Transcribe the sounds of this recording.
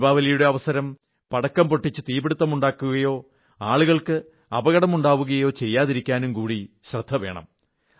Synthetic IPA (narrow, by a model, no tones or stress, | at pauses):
baːʋɐlɐjuɽe̞ɐʋɐsɐɾɐm | pɐɽɐkːɐmpoʈːit͡ɕːɨt̪iːbeɽut̪ːɐmuɳɖaːkːuɣɐjo̞ː | aːɭuɣɐɭkɨ | ɐbɐɣɐɽɐmuɳɖaːʋuɣɐjo̞ːt͡ɕe̞jːaːðiɾikʲːaːnumkuːɽiɕrɐd̪ʱːɐʋe̞̰ːɳɐ̰m